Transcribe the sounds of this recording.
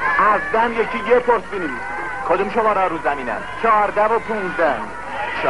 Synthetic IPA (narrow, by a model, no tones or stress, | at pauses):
ʔæzd̪æmjecʰiːjepʰoɾsiːnimis | kʰod̪umʃomɒːɾɒɾuːzæmiːnæ̰mt͡ʃʰɒːɾd̪ævopʰuːnzd̪æ | ʃ